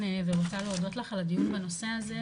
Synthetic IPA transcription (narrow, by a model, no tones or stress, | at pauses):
eveʁotaleod̪o̞tlaχalad̪ijunbano̞se̞aze